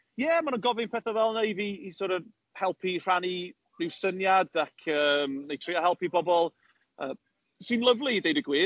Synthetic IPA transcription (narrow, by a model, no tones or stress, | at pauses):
jɛmanənɡɔvɪnpʰɛːθavɛlˠneɨviːsɔːɾə | hɛlˠpʰir̥ani | nɪwsənjadakʰəːmnejtʰr̥iahɛlˠpibɔbɔlˠ | əː | sɨnlˠəvlˠidejdəɡwiː